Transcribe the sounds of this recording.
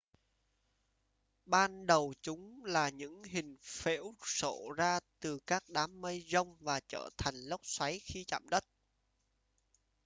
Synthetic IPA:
ɓaː˧nɗə˨˩wt͡ɕʊ˨˦ŋ͡mlaː˨˩ɲɨ̰˧˥ŋɦï˨˩ŋ̟fe˧˥wso̰˧˨zaː˧t̪ɨ˨˩kaː˦˥k̚ɗaː˨˦mːə˧jzə˧wŋ͡mvaː˨˩t͡ɕə̰ː˧˩t̪ʰa˨˩jŋ̟lə˦˥k͡p̚swa˨˦jxi˧t͡ɕa̰ː˧˨mɗə˦˥t̚

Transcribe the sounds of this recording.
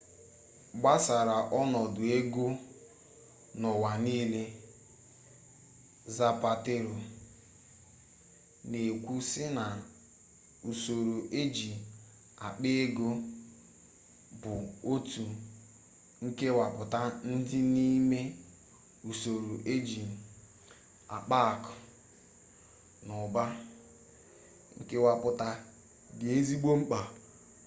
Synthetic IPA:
ɡ͡ba˦sa˨ɾa˨ʔɔ˦nɔ˨dʊ˨e˦ɡo˦ | nɔ˨wa˨niː˦le˦ | za˦pa˦te˦ɾo˨ | ne˨kʷu˦sɪ˦na˨ | u˨so˨ɾo˨ʔe˦d͡ʒi˨ | a˨k͡pe˦e˦ɡo˦ | bʊ˨o˦tu˨ | ŋ̩˦ke˦wa˨pʊ˨ta˦n̩˦dɪ˦ni˦me˦ | u˨so˨ɾo˨ʔe˦d͡ʒi˨ | a̰˨k͡pa˦˨kʊ̥˨ | nʊ˨ba˦ | ŋ̩˦ke˦wa˨pʊ˨ta˦ | dɪ˨e˦zi˦ɡ͡bo˦ŋ͡m̩˦k͡pa˨

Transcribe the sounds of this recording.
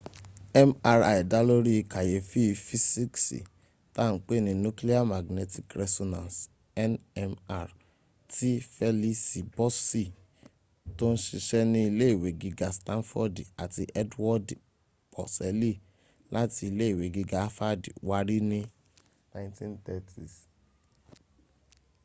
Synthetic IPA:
ɛ˦ma˧ɾa˨i˨da˦lo˦ɾi˦i˧ka˨je˨fi˦˧fi˦si˦ksḭ˨ | ta˦˨n̩˦k͡pe˦˨nĩ˧nũ˦kli˦a˦ma˨ɡne˧ti˨kɾɛ˧sɔ˧nã˨ns | ɛ˦nɛ˧ma˨ɾ | ti˦fɛ˦li˦si˨bɔ˦si˦˨ | to˦n̩˦ʃi˧ʃɛ˦nĩ˦i˧le˦i˦˨we˨ɡi˧ɡa˨stã˦nfɔ˦da˨ti˧ʔɛ˦dwɔ˦d | b̥ɔ̰˨sɛ˨˦li˦ | la˦ti˧i˧le˦i˦˨we˨ɡi˧ɡa˨˦fa˦di˨wa˦ɾi˦nĩ˦ | nã˦ĩ˦tĩ˦ntɛ˦˨tʰi˨s

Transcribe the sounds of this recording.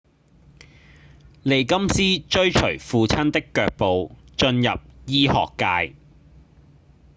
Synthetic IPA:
le˨jkɐ˥msiː˥t͡ʃɵ˥ɥt͡ʃʰɵ̰˨˩ɥfuː˨t͡sʰɐ˥nt̪ɪ˥kːœː˧k̚po˨wt͡ʃɵ˧njɐ̰˨p̚jiː˥hɔ̰ː˨kːaː˧j

